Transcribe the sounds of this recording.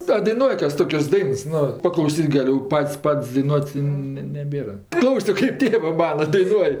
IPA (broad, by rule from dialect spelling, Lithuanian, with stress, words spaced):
ɐ dɐɪˈnuɔj ˈkɐs ˈtoːkʲɛs ˈdɐɪns ˈnʊ pɐklˠɐʊˈsʲiːtʲ ɡɐˈlʲʊ ˈpɐtʲsʲ ˈpɐtʲsʲ dɐɪˈnuɔtʲ ˈnʲɛ nʲɛˈbʲeːrɐ ˈklˠɐʊsʲoː kɐɪp ˈtʲeːʋɜ ˈmɑːnɐ dɐɪˈnuɔj